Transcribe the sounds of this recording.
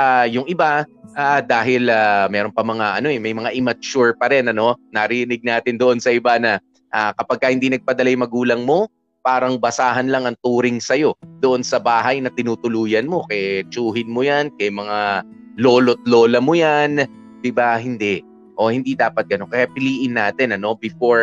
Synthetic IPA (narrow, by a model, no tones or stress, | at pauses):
ʔajʊŋɪbaʔaːd̪aːɦɪlaːmɛːɾo̞npɐmɐŋaʔɐno̞ʔɛmɐjmɐŋaʔɪmɐt͡ʃuɹpɐɾɛnɐno̞nɐɾɪɾɪnɪɡ̚naːt̪ɪnd̪oʔo̞nsɐʔɪbanɐ | ʔakɐpɐɡ̚kɐhɪnd̪inɐɡ̚pɐd̪ɐlajʊŋmɐɡuːlɐŋmo̞ | paːɾɐŋbɐsaːɦɐnlɐŋɐŋt̪uːɾɪŋsɐjo̞d̪̥oʔo̞nsɐbaːɦɐjnɐt̪ɪnuːt̪ʊluːjɐnmo̞kɛt͡ʃuːhɪnmojankɐjmɐŋa | lo̞ːlot̪̚lo̞ːlɐmojan | d̪̥ɪbahɪnd̪ɛʔ | ʔo̞hɪnd̪id̪aːpɐt̪̚ɡ̥ɐno̞nkɐjapɪliːʔɪnːaːt̪ɪnɐno̞bɪfo̞ɹ